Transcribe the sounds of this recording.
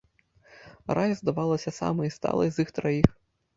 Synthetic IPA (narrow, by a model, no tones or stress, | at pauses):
ɾʔajzd̪ɐʋɑlˠɐsʲɐsɑ̰mɛist̪ɑ̰lˠɐ̰izixt̪ɾɐjix